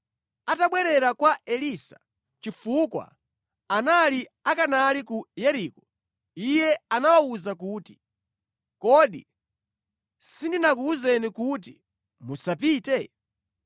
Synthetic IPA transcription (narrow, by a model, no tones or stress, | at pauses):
ataɓwɛɾɛɾakwaʔɛlisḁ̰ | t͡ʃifukwa̰ | analiakanalikujɛɾikɔ | ijɛanawauzakuːti̥ | kɔɗḭ | sindinakuuzɛnikut̬i | musap̬iːtɛ